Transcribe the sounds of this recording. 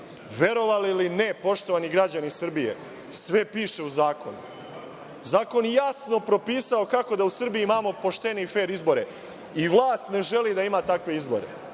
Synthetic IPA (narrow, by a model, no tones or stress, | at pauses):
ʋe̞ɾo̞ʋalilinepo̞ʃt̪o̞ʋaniɡɾad͡ʑanisr̩bijḛ | sʋe̞piːʃe̞uzaːko̞̰nu | zaːko̞njejasno̞pɾo̞piːsao̞kako̞d̪ausr̩bijiimaːmo̞po̞ʃt̪e̞nife̞ːɾizbo̞ɾe̞ | iʋlˠaːst̪ne̞ʒe̞lid̪aimaːt̪akʋe̞izbo̞̰ɾe̞̰